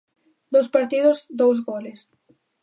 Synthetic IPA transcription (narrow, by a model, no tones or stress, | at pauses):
d̪ospaɾt̪iðʊzd̪owz̬ɣɔles